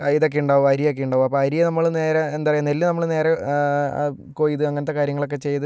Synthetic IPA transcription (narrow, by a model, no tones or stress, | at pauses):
ɐjiðok̬ːejuɳɖaːʋuɐɾijok̬ːejuɳɖaːʋuɐpːoːɐɾijɐnɐmːɐɭne̞ːɾɐend̪ɐːrɐjumnelːɨnɐmːɐɭne̞ːɾɐ | koːjiðɨɐŋːɐnɐt̪ːekaːɾjɐŋːɐɭo̞kːe̞t͡ɕe̞jːɐðɨ